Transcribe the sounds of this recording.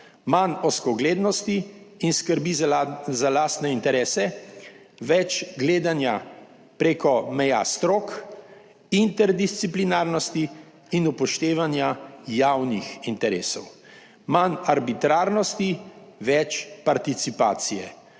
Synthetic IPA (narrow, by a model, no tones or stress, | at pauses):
manɔskɔɡleːd̪nɔst̪iːnskəɾbizalaːst̪nɛint̪ɛɾɛːsɛ | ʋɛt͡ʃɡleːd̪anja | pɾeːkɔmɛja̰st̪ɾoːk | int̪ɛɾd̪ist̪siplinaːɾnɔst̪iː | nupɔʃt̪eːʋanjajawnixint̪ɛɾeːsɔ̰w | manaɾbit̪ɾaːɾnɔst̪iʋɛt͡ʃpaɾt̪it̪sipa̰ːt̪sijɛ̰